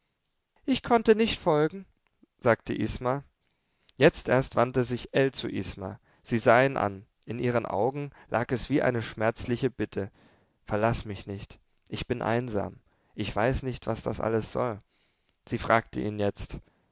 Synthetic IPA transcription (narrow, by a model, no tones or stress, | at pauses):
ʔɪçkʰɔntənɪçtfɔlɡŋ̩ | z̥aːktʰəʔisma | jɛt͡stʔeːɐstv̥antəzɪçʔɛlt͡sṵʔḭsma̰ | z̥iːzaːinʔa̰n | ʔɪnʔiːʁ̞ənʔa̰ʊɡŋ̩lʔa̰ːkɛsv̥iːʔa̰ɪnəʃmɛɐt͡slɪçəb̥ɪtʰə | fɛɐlasmɪçnɪçt | ʔɪçb̥ɪnʔa̰ɪnza̰ːm | ʔɪçv̥aɪsnɪçtv̥asd̥a̰sʔa̰ləsz̥ɔ̰l | z̥iːfʁ̥aːktʰəʔiːnjɛt͡st